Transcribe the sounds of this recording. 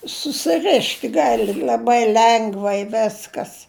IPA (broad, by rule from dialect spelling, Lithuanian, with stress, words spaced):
sʊsʲɪˈrʲɪʃt ˈɡɑːlʲɪ lʲɐˈbɐɪ ˈlʲɛŋɡʋɐɪ ˈʋʲæːskɐs